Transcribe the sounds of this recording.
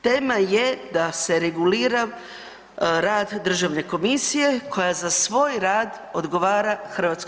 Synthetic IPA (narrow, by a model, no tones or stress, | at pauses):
t̪e̞ːmajed̪ase̞ɾe̞ɡuliːɾa | ɾaːd̪d̪r̩ʒaʋne̞ko̞misije̞kʰo̞jazasʋo̞ːjɾaːd̪ | o̞d̪ɡo̞ʋaːɾaxr̩ʋat̪sk